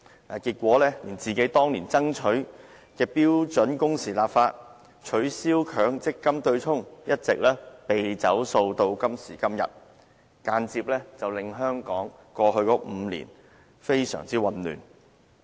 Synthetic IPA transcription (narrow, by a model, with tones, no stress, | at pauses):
aː˨˩kiː˧t̚kʷɔː˨˥lɛː˥liː˨˩nt͡siː˨ke˨˥jt̪ɔː˥ŋliː˨˩nt͡sɐ˥ŋt͡ʃʰɵ˨˥ɥ | kɛː˧piː˥wt͡ʃɵ˨˥nkʊ˥ŋsiː˨laː˨p̚faː˧t̚ | t͡ʃʰɵ˨˥ɥsiː˥wkʰœː˨˥ŋt͡sɪ˥kːɐ˥mt̪ɵ˧ɥt͡sʰʊ˥ŋjɐ˥t̚t͡sɪ˨k̚lɛː˥pe˨jt͡sɐ̰˨˥wso˧wt̪o˧wkɐ˥msiː˨˩kɐ˥mjɐ̰˨t̚ | kaː˧nt͡siː˧p̚lɛː˥t͡sɐ˨wlɪ˨ŋɦœː˥ŋkɔː˨˥ŋ | kʷɔː˧ɦɵ˧ɥkɔː˨˥m̩˨˧lḭː˨˩n | fe˥jsœ̰ː˨˩ŋt͡siː˥wɐ˨nly̰ː˨˩n